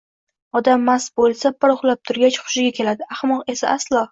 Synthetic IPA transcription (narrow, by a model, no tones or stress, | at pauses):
ɒd̪amːasbolˠsabɪɾʊχlˠap̚t̪ʰʊɾɡʲat͡ʃχʊ̥ʃɪɡʲakʲʰe̞lad̪ɪaχmɒqe̞saaslˠɒ